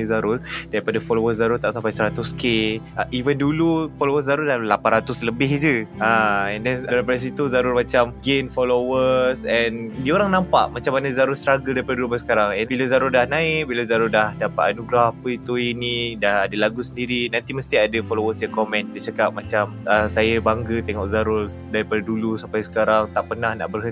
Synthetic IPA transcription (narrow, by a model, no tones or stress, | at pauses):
zaɾʊldaɾipadafɔlowəszaɾʊlt̪aʔsampajsəɾat̪ʊskeaʔivəndulufolowəs̬zaɾʊldalapanɾat̪ʊsləbɪɦd͡ʒəaɛndɛndaɾipadəs̬it̪uzaɾʊlmãt͡ʃamɡenfolowəsɛndioɾaŋnãmpa̰ʔmat͡ʃamːanəzaɾʊrst̪ɾaɡəldaɾipadadulumasə̥kaɾaŋɛnbilazaɾʊrdahnãɪk̚bilazaɾʊrdahdapat̪anuɡɾaapəit̪uinidahadalaɡusəndiɾinãnt̪iməst̪iadəfɔlowəsjakɔmɛ̃nt̪ət͡ʃakap̚mat͡ʃaməsajabaŋɡət̪ɛŋɔʔzaɾʊr | daɾipadadulusampajsə̥kaɾaŋt̪aʔpənahna̰ʔbərɦə